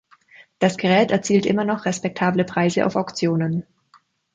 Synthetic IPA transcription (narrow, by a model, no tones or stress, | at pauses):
d̥asɡ̥əʁ̞ɛːtɛɐt͡siːltʔɪ̰mɐnɔχʁɛspɛk̚tʰaːbləpʁ̥aɪzəʔa̰ʊfaʊkt͡sjoːnən